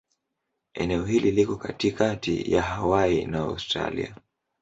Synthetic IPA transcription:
ɛ̰nɛɔɦililikɔkatikatḭjahawainaa̰wstɾa̰lḭa

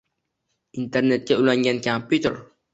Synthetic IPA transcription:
ʔint̪ɛrnɛt̪̚kaulaŋɡankamput̪ər

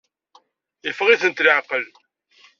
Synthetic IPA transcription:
ɪfəʁiθənt̪ləʕqəl

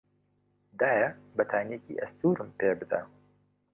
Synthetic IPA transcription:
d̪aːjɐbɐt̪ʰaːnecḭːʔɐst̪uːɾɨmpeːbɨd̪ɐ̰

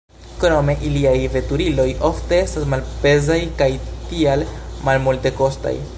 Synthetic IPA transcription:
kɾo̞me̞ʔiliajve̞tuɾilo̞jʔo̞fte̞e̞stasmalpe̞zajkajtialmalmulte̞ko̞sta̰j

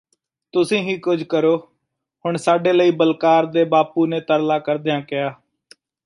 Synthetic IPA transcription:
t̪ʊsĩːɦiːkʊd͡ʒʱkəɾoː | hʊɳsaːɖeːləiːbəlkaːɾd̪eːbaːpuːneːt̪əɾlaːkəɾd̪ejãːkɪjaː

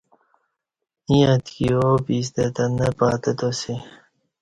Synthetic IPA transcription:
ĩɐt̪kioːpiːs̬t̪et̪ɐnːepaːt̪et̪osi

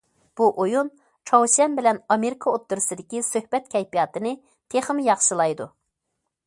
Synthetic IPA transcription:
b̥uʔojun | t͡ʃʰɑwsɛnbɪlɛnɑmeɾɪkʰɑot̪ːuɾɨsɨd̪ɪkʲisøhbɛt̪kʲʰɛjpijɑːt̪ɨnɨ | t̪ʰeχəmjɑχʃɨlˠɑjd̪u

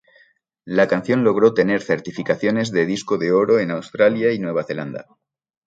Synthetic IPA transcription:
lakan̟θjõ̞nlo̞ɣ̞ɾo̞t̪e̞ne̞ɾθe̞ɾt̪ifikaθjo̞ne̞zðe̞ð̞isko̞ðe̞o̞ɾo̞e̞nawst̪ɾaljainwe̞β̞aθe̞land̪a̰

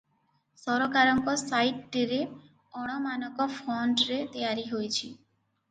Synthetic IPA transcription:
sɔɾɔkaɾɔŋkɔsajʈːiɾe | ɔɽ̃ɔmanɔkɔfʰɔɳɖɾet̪ijaɾiɦojt͡ʃʰi

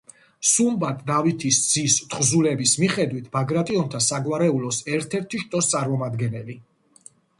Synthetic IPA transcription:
sumbat̪ʼd̪avit̪ʰisd̪z̥ist̪ʰχzulɛbismiχɛd̪wit̪ʰbaɡɾat̪ʼiɔnt̪ʰasaɡwaɾɛulɔsɛɾt̪ʰɛɾt̪ʰiʃt̪ʼɔst̪sʼaɾmɔmad̪ɡɛnɛli

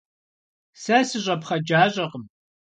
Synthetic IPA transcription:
sɐsɨʑʷʼɐpχɐd͡ʒaːɕʼɐqəm

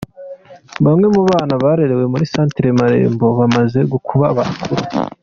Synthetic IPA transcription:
βamŋe̞muβaːnaβaːɾe̞ɾe̞we̞muɾisaːntiɾemaɾḛːmbo̞βamaze̞ɡukʰuβaβa̰kʰuɾu

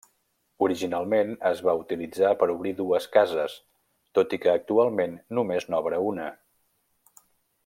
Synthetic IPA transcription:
uɾiʒinalˠmenəzβaut̪ilid͡zapəɾuβɾiðuəskazəs | t̪ot̪ikəːk̚t̪ualˠmenːumeznɔβɾəunə

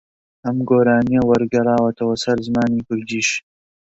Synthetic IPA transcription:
ʔɐmɡoːɾaːnijɐwɐɾɡɐrˤɑːwɐt̪ʰɐwɐsɐɾzɨmaːniːkʰʊɾd̪iːʃ

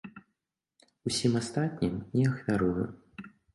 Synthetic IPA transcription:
usʲimast̪at̪̚ʲnʲimnʲɛɐxvʲaɾujṵ

